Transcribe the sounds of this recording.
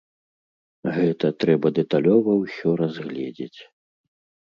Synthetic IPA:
ɣɛt̪ɐt̪ɾɛbɐd̪ɛt̪alʲɔvɐwsʲɔɾazɣlʲɛd͡zʲet͡sʲ

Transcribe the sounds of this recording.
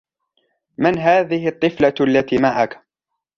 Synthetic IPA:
mɪnɦaːðɪhɪt̪ˤːɨflaalːat̪iːmaʕak

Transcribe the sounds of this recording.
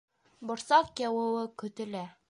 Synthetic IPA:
bŏɾsɑqjæwɘ̆wɘkɵ̆t̪ɘ̆læ

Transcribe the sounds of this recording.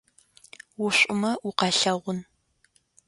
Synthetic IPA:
wʊɕʷʼʊmɐʔʊqɑɬɐʁʷʊn

